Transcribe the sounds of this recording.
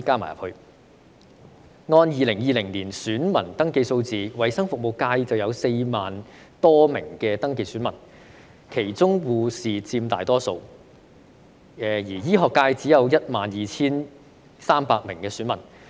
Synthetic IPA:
kaː˥ma̰ː˨˩jɐ˨˩hɵ˧ | ŋɔː˧njiː˨lɪ˨˩ŋjiː˨˧lɪ˨˩ŋliː˨˩nsyː˨˥nmɐ˨˩nt̪ɐ˥ŋke˧jso˧wt͡siː˨wɐ˨˩jsɐ˥ŋfʊ˨k̚mo˨wkaː˧jt͡sɐ˨wjɐ˨˧wse˧jmaː˨n | t̪ɔː˥mɪ˨˩ŋkɛː˧t̪ɐ˥ŋke˧syː˨˥nmɐ˨˩n | kʰe˨˩jt͡sʊ˥ŋwuː˨˧siː˨t͡siː˧mt̪a̰ː˨jt̪ɔː˥so˧w | jiː˨˩jiː˥ɦɔː˨kːaː˧jt͡siː˨˥jɐ˨˧wjɐ˥t̚maː˨njiː˨t͡sʰiː˥n | saː˥mpaː˧k̚mɪ˨˩ŋkɛː˧syː˨˥nmɐ˨˩n

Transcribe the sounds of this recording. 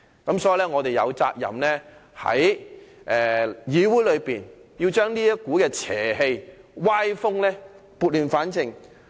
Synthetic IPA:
kɐ˨˥msɔː˨˦ji˨˩lɛː˥ŋɔː˨˧t̪e˨jɐ̰˨˧wt͡sa̰ː˧t̚jɐ̰˨mlɛː˥hɐ̰˨˥jʔɛː˨jiː˨˧wu˨˥jlɵ˨˧piː˨˩nji˧wt͡ʃœː˥ŋniː˥jɐ˥kuː˨˥kɛː˧t͡sʰɛ̰ː˨˩ɦe˧j | waː˥jfʊ˥ŋlɛː˥ | puː˧t̚lyː˨˩nfaː˨˥nt͡sʰɪ˨˩ŋ

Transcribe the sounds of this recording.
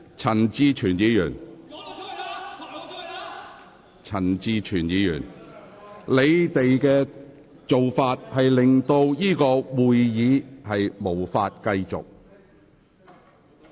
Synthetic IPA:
t͡sʰɐ˨˩nt͡siː˧t͡ʃʰyː˨˩njiː˨˧jyː˨˩n | t͡sʰɐ˨˩nt͡siː˧t͡ʃʰyː˨˩njiː˨˧jyː˨˩n | le˨˧jt̪e˨jkɛː˧ | t͡so˨wfaː˧t̚hɐ˨jlɪ˨ŋt̪o˧wjiː˥kɔː˧wuː˨jjiː˨˧hɐ˨jmo˨˩wfaː˧t̚kɐ˧jt͡sʊ̰˨k̚

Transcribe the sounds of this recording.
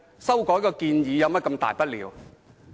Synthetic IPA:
sɐ˥wkɔː˨˥jkɔː˧kiː˧njiː˨˧jɐ˨˧wmɐ˥kɐ˧mt̪a̰ː˨jpɐ˥t̚lḭː˨˧w

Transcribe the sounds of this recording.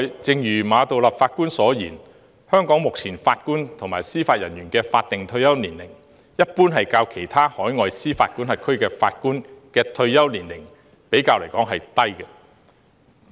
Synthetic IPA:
jt͡sɪ˨˧ŋjyː˨˩maː˨˧t̪o˨wlɐ˨p̚faː˧t̚kuː˥nsɔː˨˥jiː˨˩n | hœː˥ŋkɔː˨˥ŋmʊ˨k̚t͡sʰiː˨˩nfaː˧t̚kuː˥nt̪ʰʊ˨˩ŋmaː˨˩jsiː˥faː˧t̚jɐ˨˩njyː˨˩nkɛː˧faː˧t̚t̪ɪ˨ŋt̪ʰɵ˧ɥjɐ˥wniː˨˩nlɪ˨˩ŋ | jɐ˥t̚puː˥nɦɐ˨jkaː˧wkʰe˨˩jt̪ʰaː˥hɔː˨˥jŋɔː˨˧jsiː˥faː˧t̚kuː˥nhɐ˨t̚kʰɵ˥ɥkɛː˧fa̰ː˧t̚kuː˥nkɛː˧t̪ʰɵ˧ɥjɐ˥wniː˨˩nlɪ˨˩ŋ | pe˨˥jkaː˧wle˨˩jkɔː˨˥ŋɦɐ˨jt̪ɐ˥jkɛ˧

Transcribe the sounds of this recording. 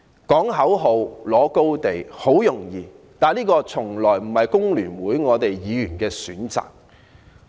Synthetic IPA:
kɔː˨˥ŋɦɐ˨˥wɦo˨wlɔː˨˥ko˥wt̪e˨jho˨˥wjʊ˨˩ŋjiː˨ | t̪aː˨nliː˥kɔː˧t͡sʰʊ˨˩ŋlɔː˨˩jm̩˨˩hɐ˨jkʊ˥ŋlyː˨˩nwuː˨˥jŋɔː˨˧t̪e˨jjiː˨˧jyː˨˩nkɛː˧syː˨˥nt͡sa̰ː˨k̚

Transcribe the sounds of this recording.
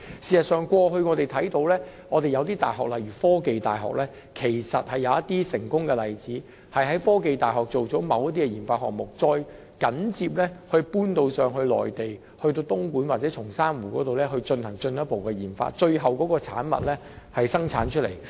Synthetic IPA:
siː˨˩sɐ˨t̚sœː˨˩ŋkwɔː˧ɦɵ˧ɥŋɔː˨˧t̪e˨jt̪ʰɐ˨˥jt̪o˧wlɛː˥ŋɔː˨˧t̪e˨jɐ˨˧wt̪iː˥t̪a̰ː˨jɦɔ̰ː˨k̚lɐ˨jɥyː˨˩fɔː˥ke˨jt̪a̰ː˨jɦɔ̰ː˨k̚lɛː˥ | kʰe˨˩jsɐ˨t̚hɐ˨jːɐ˨˧wɐ˥t̪iː˥sɪ˨˩ŋkʊ˥ŋkɛ˧lɐ˨jt͡siː˨˥ | hɐ˨jɦɐ˨˥jfɔː˥ke˨˧jt̪aː˨˩jɦɔː˨˩k̚t͡so˨wt͡sɔː˨˥mɐ˨˧wjɐ˥t̪̚i˥kɛ˧jiː˨˩nfaː˧t̚hɔ̰˨k̚mʊ˨˩k̚t͡sɔː˧j | kɐ˨˥nt͡siː˧p̚lɛː˥hɵ˧ɥpuː˥nt̪o˧wsœː˨ŋhɵ˧ɥlɔ̰ː˨˩jt̪e˨j | hɵ˧ɥt̪o˧wt̪ʊ˥ŋkuː˨˥nwaː˨˩t͡sɛː˨˥t͡ʃʰʊ˨˩ŋsaː˥nwuː˨˩kɔː˨˥t̪o˨wlɛː˥ɦɵ˧ɥt͡ʃɵ˧nhɐ˨˩ŋt͡ʃɵ˧njɐ˥t̚po˨wkɛ˧jiː˨˩nfa̰ː˧t̚t͡ʃɵ˧ɥɦɐ˨wkɔː˨˥kɔː˧t͡sʰa̰ː˨˥nmɐ̰˨t̚lɛː˥ | hɐ˨jsɐ˥ŋt͡sʰaː˨˥nt͡ʃʰɵ˥t̚le˨˩j

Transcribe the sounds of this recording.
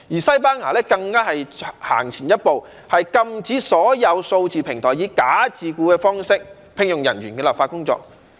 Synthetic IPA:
jiː˨˩sɐ˥jpaː˥naː˨˩lɛː˥kɐ˧ŋkaː˥ɦɐ˨jha̰ː˨˩ŋt͡sʰiː˨˩njɐ˥t̚po˨w | hɐ˨jkɐ˧mt͡siː˨˥sɔː˨˥jɐ˨˧wso˧wt͡siː˨pʰɪ˨˩ŋt̪ʰɔː˨˩jiː˨˧kaː˨˥t͡siː˨kuː˧kɛː˧fɔː˥ŋsɪ˥k̚ | pʰɪ˧ŋjʊ˨ŋjɐ˨˩nɥyː˨˩nkɛː˧lɐ˨p̚faː˧t̚kʊ˥ŋt͡sɔ̰ː˧k̚

